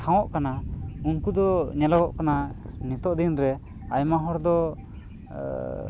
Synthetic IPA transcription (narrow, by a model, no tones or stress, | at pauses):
kʰaw̃ɔʔkanaunkud̪ɔɲɛlaɡɔʔkananit̪ɔʔd̪inɾɛ | ajmaɦɔɾd̪ɔ